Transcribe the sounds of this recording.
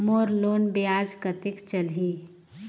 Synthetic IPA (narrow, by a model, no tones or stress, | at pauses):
moːɾloːnbeaːd͡ʒkɐt̪ɪkt͡ʃɐlɦi